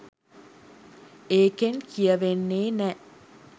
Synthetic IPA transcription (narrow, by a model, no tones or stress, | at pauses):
eːkenkijɐʋenːeːnɛ